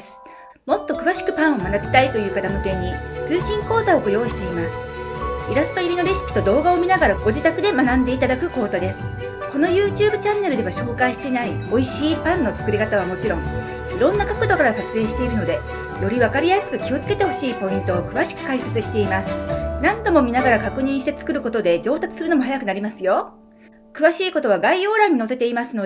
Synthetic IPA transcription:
mo̞t̪ːo̞kɯ̟βaɕi̥kɯ̟pãɰ̃o̞manabʲi̥t̪ait̪o̞jɯ̟ːkat̪amot̪ẽ̞ɲ̟ːit͡sɨːɕĩŋko̞ːzao̞ɡojo̞ːɕi̥t̪e̞imasɨ̥iɾasɨ̥t̪o̞iɾʲino̞ɾʲesi̥pʲi̥t̪o̞d̪o̞ːɡao̞mʲinaɡaɾaɡo̞ʑit̪akɯ̟d̪e̞manãnd̪e̞it̪ad̪akɯ̟ko̞ːzad̪e̞sɨ̥ | ko̞no̞jɯːt͡ɕɨːbɯ̟t͡ɕãnːe̞ɾɯ̟d̪e̞βaɕo̞ːkaiɕi̥t̪e̞naio̞iɕiːpãnːo̞t͡sɨ̥kɯ̟ɾʲikat̪aβ̞amo̞t͡ɕiɾõ̞ŋ | iɾõ̞nːakakɯ̟d̪o̞kaɾasat͡sɨe̞ːɕi̥t̪e̞iɾɯ̟no̞d̪e̞ | jo̞ɾʲiβakaɾʲijasɨ̥kɯ̟kʲio̞t͡sɨ̥ke̞t̪e̞ho̞ɕiːpo̞ĩnt̪o̞ːkɯ̟βaɕi̥kɯ̟̥kaise̞t͡sɨɕi̥t̪e̞imasɨ̥nãnd̪o̞mo̞mʲinaɡaɾakakɯ̟ɲ̟ĩɕi̥t̪e̞t͡sɨ̥kɯ̟ɾɯ̟ko̞t̪o̞d̪e̞d͡ʑo̞ːt̪at͡sɨ̥sɨɾɯ̟no̞mo̞hajakɯ̟naɾʲimasɨjo̞ | kɯ̟βaɕiːko̞t̪o̞β̞aɡaio̞ːɾãɲ̟ːinose̞t̪e̞imasɨno

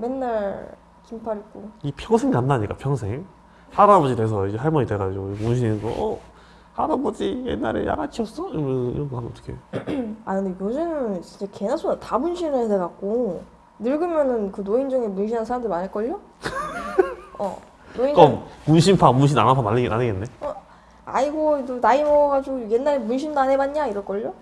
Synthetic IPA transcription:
me̞nːaɭ | kimpʰaɾik͈oipʰjʌŋsʰeŋnanːaɲik͈apʰjʌŋsʰe̞ŋ | haɾabʌd͡ʑide̞sʰʌid͡ʑehaɭmʌɲiteɡad͡ʑiɡomunɕ̬ʰinesʰʌ̰ʔʌ | haɾabʌd͡ʑijḛnːa̰ɾḛja̰ɡat͡ɕʰiʌs͈ʌimḭɾʌnɡɯɦanənʌt͈ʌ̥kʰḛakɯndejod͡ʑinɯnt͡ɕint͡ɕekenasʰonatabunɕʰinedeɡak̚k͈o | nɯɭɡɯmjʌnɯnkɯnoind͡ʑʌŋemunɕʰinɦansʰaɾamdɯɭmanɦaɭk͈ʌʎːo | ʌ̰ | noiomunɕʰimpʰamunɕ̬ʰina̰napʰamanːeɡa̰neɡenːeʌ | a̰iɡodonaimʌɡad͡ʑiɡoje̞nːaɾemunɕ̬ʰindanebaɲɲaiɾʌɭk͈ʌʎːo

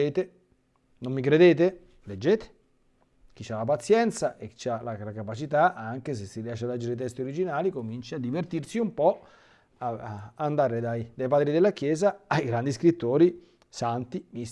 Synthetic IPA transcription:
eːt̪e | nomːikɾed̪eːt̪̬e | led͡ʒːeːt̪e̥ | k̟it͡ʃːalːap̬at̪sːjɛnt̪saʔekːi̥t͡ʃːalalakapat͡ʃit̪aʔaŋk̟es̬esːiɾiaʃead̪lːɛd͡ʒeɾet̪̬ɛst̪ioɾid͡ʒinaːlikomint͡ʃiad̪ːivert̪irsiumpɔ | aːnd̪aːɾed̪ajd̪ajpaːd̪ɾid̪elːakjɛːzaːjɡɾand̪iskɾit̪ːoːɾi | sant̪imi

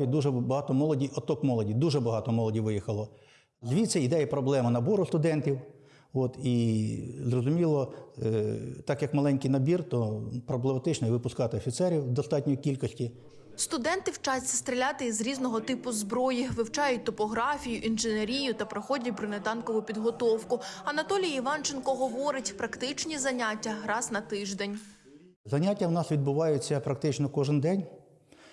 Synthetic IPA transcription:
id̪uʒɛbɐɦɑt̪ɔmɔlˠɔdʲijʔɔt̪ɔkmɔlˠɔdʲiwd̪uʒɛbɐɦɑt̪ɔmɔlˠɔdʲiwʋɪjixɐlˠɔ | zʲʋʲit̪sɛid̪ɛjɛpɾɔblˠɛmɐnɐbɔɾʊst̪ʊd̪ɛntʲiw | ɔt̪izrɔzʊmʲilˠɔ | t̪ɑkjɐkmɐlˠɛnʲkijnɐbʲirt̪ɔpɾɔblˠemɐt̪ɪt͡ʃnɔiʋɪpʊskɑt̪ɪɔfʲit̪sɛɾʲiwd̪ɔst̪ɑt̚ʲnʲɔjikʲilʲkɔsʲtʲi | st̪ʊd̪ɛnt̪ɪwt͡ʃɑsʲːɐst̪ɾʲɪlʲat̪ɪizɾʲiznɔɦɔt̪ɪpʊzbɾɔjiʋɪwt͡ʃɑjʊt̚ʲt̪ɔpɔɦɾɑfʲijʊʔinʒɪneɾʲijʊt̪ɐpɾɐxɔdʲɐtʲbɾɪnet̪ɑnkɔʋʊpʲid̪ɦɔt̪ɔwkʊɐnɐt̪ɔlʲijɐiʋɑnt͡ʃenkɔɦɔʋɔɾɪtʲpɾɐkt̪ɪt͡ʃnʲizɐnʲatʲːɐɾɑznɐt̪ɪʒd̪enʲ | zɐnʲatʲːɐwnɑsʋʲid̪̚bʊʋɑjʊt͡sʲːɐpɾɐk̚t̪ɪt͡ʃnɔkɔʒɪnd̪ɛnʲ

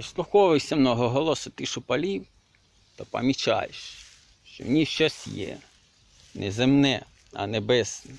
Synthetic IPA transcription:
islˠʊxɔʋɪwsʲɐmnɔɦɔɦɔlˠɔsʊt̪ɪʃʊpɐlʲiw | t̪ɔpɐ̰mʲit͡ʃɑ̰jeʃ | ʃt͡ʃɔ̰mnʲiʃt͡ʃɔsʲjɛ̰ | nʔɛzemnɛ | ɐ̰nɛbɛs

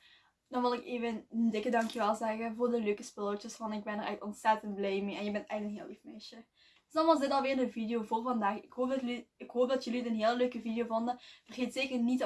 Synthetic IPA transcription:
dɑnʋɪlˠɪkeːvəndɪkədɑŋkjəʋɛlˠzɛɣənvʊːrdəløːkəspɪlˠotəsfɑnɪɡ̚bɛnərʔɛ̰xtɔntsɛtəntblɛjmeːʔɛnjəbɛntɛjɣənənɦɪːlˠifmɛʃə | dsdɑnʋɑzdɪtɑlˠʋɪːrdəvidejoːvʊːrvɑndaːxɪkɦoːfdliɪkɦoːp̚dɑtjɵliətənɦeːləløːkəvidejoːvondəv̥ərɣeːtseːkərnit

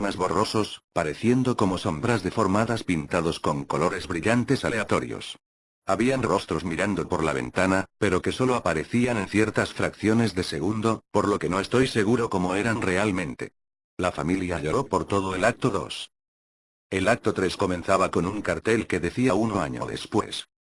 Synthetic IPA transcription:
mazβoro̞so̞spaɾe̞θje̞nd̪o̞ko̞mo̞so̞mbɾazðe̞fo̞ɾmaðaspint̪aðo̞sko̞ŋko̞lo̞ɾe̞zβɾiʎant̪e̞saleat̪o̞ɾjo̰s | aβianro̞st̪ɾo̞zmiɾand̪o̞po̞ɾla̰β̞e̞̰nt̪anape̞ɾo̞ke̞so̞loapaɾe̞θiane̞nθje̞ɾt̪asfɾakθjo̞ne̞zðe̞se̞ɣ̞und̪o̞po̞ɾlo̞ke̞no̞e̞st̪o̞jse̞ɣ̞uɾo̞ko̞moe̞ɾanre̞almẽ̞nt̪e̞̰ | lafamiljaʎoɾopo̞ɾt̪o̞ð̞oe̞lak̚t̪o̞ðo̞̰s | e̞lak̚t̪o̞t̪ɾe̞sko̞menθaβako̞nuŋkaɾt̪e̞lke̞ðe̞θiaunoaɲo̞̰ðe̞̰spwe̞̰s

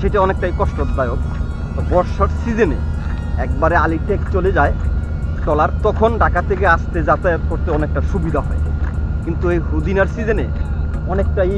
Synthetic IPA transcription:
ʃeʈiɔnek̚ʈajkɔʃʈod̪ajok | t̪ɔbɔɾʃaɾsid͡ʑenḛ | ɛkbaɾealiʈek̚t͡ɕoled͡ʑae | tɔlaɾt̪ɔkʰonɖakat̪ʰek̬eaʃt̪ed͡ʑat̪ajot̪koɾt̪eɔnek̚ʈaʃubid̪ʱaɦɔ̰ḛkint̪uejɦud̪inaɾsid͡ʑeneɔnekʈaj

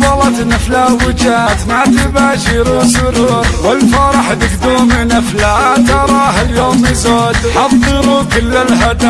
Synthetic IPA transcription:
bˤɑlɑt̪naflaːwɪd͡ʒaːt̪mat̪ɪbaːʃɪɾʃʊɾuɾwalfaɾˤɑħd̪ɪkd̪uːmɪnʔaflat̪ɑɾˤɑːhaljoːmizoːd̪ħɑðˤɨɾukʊlːalhad̪a

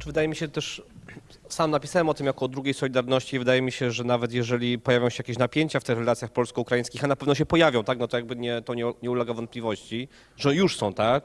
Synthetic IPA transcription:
t͡ʂvɘd̪ajɛmʲiɕɛt̪ɛʂ | samnapʲi̥sawɛmɔt̪ɘmjakɔːd̪ɾuɡʲejsɔlʲid̪aɾnɔɕt͡ɕivɘd̪ajɛmʲiɕɛʐɛnavɛt̪̬jɛʐɛlʲipɔjavʲjɔ̃w̃ɕɛjakʲeɕnapʲjeɲt͡ɕaft̪ɘxɾɛlat̪sʲjaxpɔlskɔukɾaĩskʲixanapɛvnɔɕ̬ɛpɔjavʲjɔ̃w̃t̪ak̚nɔt̪ɔjaɡ̚bɘɲɛt̪ɔɲɛɲɛulɛɡavɔnt̪̚plʲivɔɕt͡ɕi | ʐɛjuʂsɔ̃w̃t̪ak

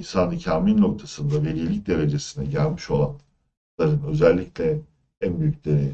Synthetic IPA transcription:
insanɯcʰaːmilʲno̞k̚t̪ʰasɯnd̪ave̞ɾijlʲic̚d̪e̞ɾe̞d͡ʒe̞sinɛɟælʲmiʃo̞lˠa̰n | lˠaɾɯnø̞zælʲːiclʲɛ | ænbyjyc̚d̪eɾe

